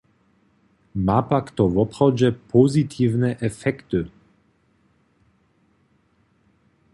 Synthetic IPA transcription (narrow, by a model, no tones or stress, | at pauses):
mapakt̪ɔvɔpχɔwd͡ʑɛpʰɔzit̪ʰiːvnɛʔɛfɛkt̪ɨ